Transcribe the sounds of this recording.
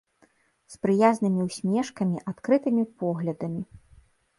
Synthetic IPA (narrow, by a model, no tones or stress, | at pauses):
spɾɨjaznɨmʲiwsʲmʲɛʂkɐmʲiʔat̪kɾɨt̪ɨmʲipɔɣlʲɐd̪ɐmʲi